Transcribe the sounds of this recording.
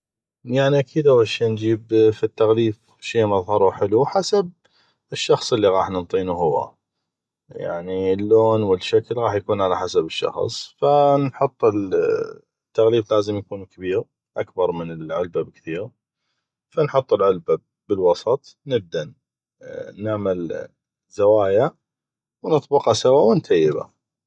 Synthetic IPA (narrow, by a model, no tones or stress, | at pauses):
jaʕniʔakiːd̪hawaʃeːnd͡ʒiːbfit̪ːaɣliːf | ʃeːmɑðˤhɑɾˤuħɪluħasab̚ | ɪʃːɑxsˤʔəlːiɣɑːħnənt̪ˤiːnuɦʊwːa̰ | ja̰ʕnilːoːnwəlʃːaklɣɑːħjakuːnʕalaħasabɪʃːɑ̰xsˤfanħʊt̪ˤːɪl | t̪ːaɣliːblaːzəmjakuːnkʰabiːɾ | ʔakbɑɾˤmɪnɪlʕʊlbabkθiːɣ | fanħʊt̪ˤːəlʕʊlba | bəlwɑsˤɑt̪ˤ | nɪb̚d̪an | naʕmal | z̥awaːja | wnɨt̪ˤbɪqɑsawawɪnt̪ʰajːɪba̰